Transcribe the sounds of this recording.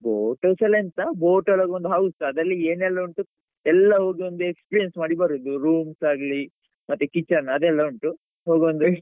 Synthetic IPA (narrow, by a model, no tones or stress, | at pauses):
boːʈoselent̪ɐboːʈolaːɡeond̪uɦɐwsɐd̪ɐlːieːnɛlːɐuɳʈu | ɛlːɐɦo̞ːɡiond̪uekspiːɾijensmaːɽibɐɾud̪uɾuːmsaːɡɐli | mɐt̪ːukit͡ʃːɐɾnɐd̪ɛlːɐuɳʈu | ɦoːɡiond̪u